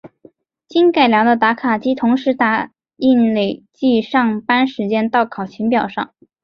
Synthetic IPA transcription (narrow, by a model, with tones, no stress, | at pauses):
t͡ɕi˥nka˨˩ɪljɑ˧˥ŋd̪ə˧t̪a˧˥kʰa˨˩t͡ɕi˥t̪ʰʊ˧˥ŋʂɻ̩˧˥t̪a˥˨˩ | i˥˩˧nle˨˩ɪt͡ɕi˥˧ʂɑ˥˩ŋpa˥nʂɻ̩˧˥t͡ɕjɛ˥nt̪ɑ˥˩ʊkʰɑ˨˩ʊt͡ɕʰi˧˥ŋpjɑ˨˩ʊʂɑ̰˥˩ŋ